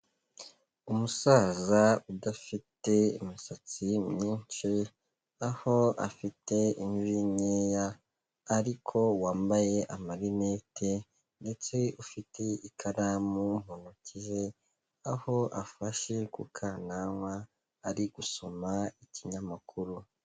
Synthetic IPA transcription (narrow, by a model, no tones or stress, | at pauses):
umusaːzaudafite̞ḭmisat͡simɲiːnt͡ʃi | aho̞a̰fitʰe̞iɱviɲeːjaː | ɾikʰo̞waːmbaje̞ʔamaɾineːtʰe̞ | nde̞t͡se̞ufitʰe̞ikʰaɾamum̥unuciʒe̞ | aho̞ʔafaʃe̞kukʰaːnaŋwaː | ɾiɡ̥uso̞maiciɲamakʰuɾu